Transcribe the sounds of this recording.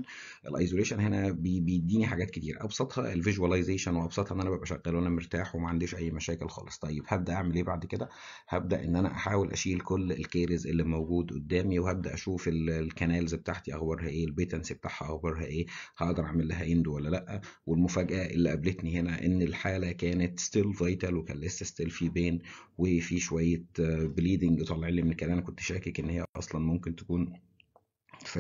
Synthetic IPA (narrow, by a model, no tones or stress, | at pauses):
ʔḛlʔɑ̰jzoleːʃænhenæbebejd̪ːiːniħaɡæːt̪ket̪iːɾæʔɑbsˤɑt̪ˤhɑʔelviʒuwælɑjzeːʃænweʔɑbsˤɑt̪ˤhɑʔenːʔænæbæbʔæʃæɣːælʔænæmeɾt̪aːħwemæʕand̪eːʃʔæjːmæʃæːkelxɑ̰ːlesˤt̪ˤɑjːeb̥hæbd̪æʔaʕmelʔeːbaʕd̪ked̪æ | hæb̚d̪æʔenːʔænæ̰ʔaħaːwelʔæ̰ʃiːlkolːelkeːɾezʔelːimowɡuːd̪ʔod̪ːæːmiwehæb̚d̪æ̰ʔæʃuːfelkænæːlzbet̪aʕt̪iʔɑɣbɑɾˤhæʔeːlbet̪ænsibet̪aːħhæʔɑɣbɑɾˤɦæʔeːhɑʔd̪ɑɾˤʔaʕmelːæɦæjend̪uwælːælæʔːæ | welmofæːɡæʔæʔḛlːiʔæblet̪nihenæʔenːelħaːlækæːnet̪st̪elvɑjt̪ɑlwekæ̰ːnlesːæst̪elfibeːnwefiʃowæjːebliːd̪eŋɡt̪ˤɑlːʕelːimenkæːlʔænækont̪ʃæːkekʔenːhejːæʔɑ̰sˤlɑnmomkent̪e̥kuːn | fæ